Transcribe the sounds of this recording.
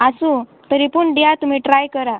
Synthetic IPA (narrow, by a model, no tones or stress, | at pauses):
asu | t̪əɾipuːɳɖijat̪um̤iːʈɾajkəɾa